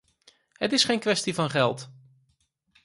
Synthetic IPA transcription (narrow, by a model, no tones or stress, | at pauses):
hətɪsχejnkʋɛstivɑnχɛlˠt